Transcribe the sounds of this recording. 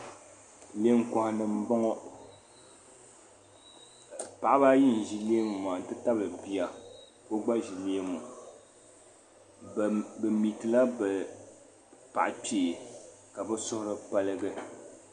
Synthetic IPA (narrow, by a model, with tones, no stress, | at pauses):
le˦ŋ̩˦kɔ˨hnɨ˨m̩˦bɔ˦ŋɔ˦ | pa˨ʔa˦ba˦ji˦˨n̩˨ʒi˨le˦e˦m˨m˨a˨n̩˨tɨ˦ta˦bɨ˨bi˦a˨ | ko˦ɡ͡ba˦ʒi˨le˦e˦mɔ˨ | bɛ˨mi˨tɨ˨la˦bɛ˨ | pa̰˨ʔpeː˨ | ka˨bɛ˦sʊ˦hʊ˦ɾɨ˦pa˦lɨ˦ɡɨ˦